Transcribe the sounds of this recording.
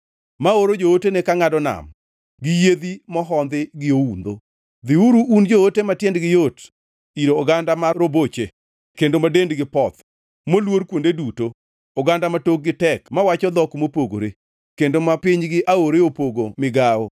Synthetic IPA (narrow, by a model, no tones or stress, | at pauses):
maoɾod͡ʒootenekaŋadɔna̰m | ɡɪjed̪imɔɦɔnd̪ɪɡɪound̪o̰ | d̪ɪuɾuʔund͡ʒootematjɛndɡɪjot | iɾoːɡandamaɾobot͡ʃe | kendomadendɡɪpɔt̪ | molwoɾkwondeduto | ɔɡandamatok̚ɡɪtɛkmawat͡ʃɔd̪ɔkmopoɡo̰ɾe | kendomapɪɲɡɪʔaoɾeopoɡomɪɡao